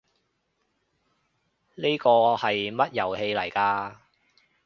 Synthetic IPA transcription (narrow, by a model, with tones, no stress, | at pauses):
ne˥jkɔː˧hɐ˨jmɐ˥t̚jɐ˨˩whe˧jlɐ˨˩jkaː˧